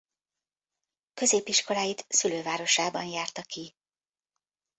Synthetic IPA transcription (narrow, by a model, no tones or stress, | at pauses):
kø̞zeːpiʃko̞laːjit̪syløːvaːɾo̞ʃaːbɒnjaːrt̪ɒki